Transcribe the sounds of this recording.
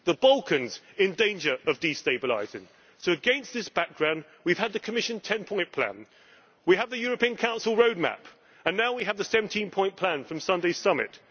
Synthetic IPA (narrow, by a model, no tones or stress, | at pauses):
ðəbʌlˠkɨ̃nz | ɪ̃ndẽɪ̃nd͡ʒə˞əvdisteɪbəla̰ɪzɪ̃ŋ | soʊɨɡɛ̃nsðɪsb̥æk̚ɡ̥ɹãʊ̃nd̚ | wiv̥əd̪̚ðɨkʰəmɪʃɨ̃ntʰɛ̃npʰɔ̃ɪ̃npʰl̥æ̰̃n | wiəvðɨjɔɹəpĩə̃nkʰãʊ̃nsl̩ˠɹəʊd̚mæ̰p | ə̃nːaʊwiɨəvðəsɛvntʰĩnpʰɔ̃ɪ̃npʰl̥æ̃nfɹʌ̃msʌ̃ndeɪ̥sʌmɪ̰t